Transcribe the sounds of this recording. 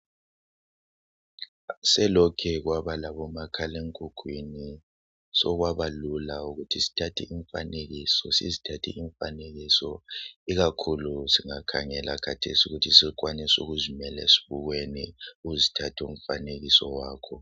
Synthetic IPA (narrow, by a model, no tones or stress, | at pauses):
sɛlɔkʰɛɣwaβalaβɔmakʰaleŋkʼuɡ̥ʱwini | sɔɣwaβalulauɣutʰisi̥tʰatʰɛʔiɱfaneɣisɔsḭzitʰatʰɛ̰ːɱfa̰neɣisɔiɣakʰulusiŋakʰaŋɛlʔa̰kʰatʰesiuɣutʰisikʼwanɛsuɣuzimɛlḛsi̥βuɣweniuuzitʰatʰṵm̩faneɣisɔwaːkʰɔ